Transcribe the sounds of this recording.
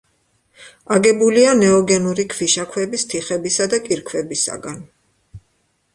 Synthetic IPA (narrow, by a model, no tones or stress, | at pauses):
aɡɛbulianɛɔɡɛnuɾikʰviʃakʰwɛbist̪ʰiχɛbisad̪akʼiɾkʰwɛbisa̰ɡan